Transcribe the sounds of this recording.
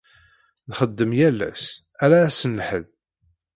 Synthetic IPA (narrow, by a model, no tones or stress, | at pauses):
nχəd̪ːəmjælːæ̰s | æɾæːsənːħə̰ð